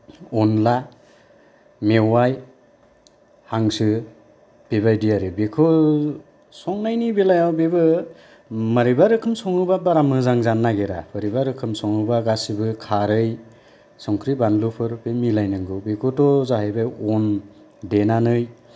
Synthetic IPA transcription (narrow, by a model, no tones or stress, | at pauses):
ɔnla | mewaj | haŋsɯ | b̥eβajdijaɾɯbekʰɔ | sɔŋnajnibelajawbebɯ | maɾibaɾɯkʰɯmsɔŋɯbabaɾamɯzaŋzanːaɡeɾapʰɯɾibaɾɯkʰɯmsɔŋɯbaɡasibɯkʰaɾɯj | sɔŋkʰɾibanlupʰɯɾbemilajnɯŋɡɯbekʰɔtɔzaɦajbajɔn | denanɯj